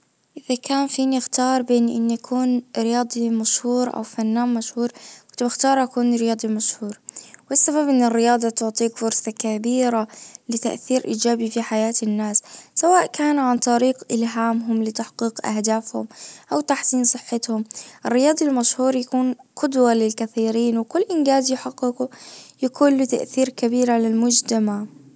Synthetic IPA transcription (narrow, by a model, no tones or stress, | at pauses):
ʔɪðakaːnfiːnɪxt̪ɑːɾˤbeːnʔɪ̰nːjakʰuːnɾɪjɑːd̪ˤimaʃhuːɾʔa̰wfanːaːmmaʃhuːɾˤkʊt̪bɪxt̪ɑːɾˤʔakuːnɾɪjɑːd̪ˤimaʃhuːɾwɪsːababʔɪnːɪrːɪjɑːd̪ˤɑt̪ʊʕt̪ˤiːkfʊɾsɑkabiːɾalɪt̪aʔθiːɾʔiːd͡ʒaːbifiħajaːt̪ɪnːaːsːawaːʔkaːnʕant̪ˤɑɾiːqʔɪlɦaːmɦʊmlɪt̪aħqiːqʔa̰hd̪aːfhʊ̰mʔawt̪aħsiːnsˤɨħːɪt̪hʊmʔɪrːɪjɑːd̪ˤilmaʃhuːɾjakuːnqʊd̪walɪlkaθiːɾiːnwɪkʊlːʔɪnɡaːzjʊħɑqːɪqujakʰuːnlɪt̪a̰ʔθiːɾkabiːɾʕalalmʊd͡ʒt̪amaʕ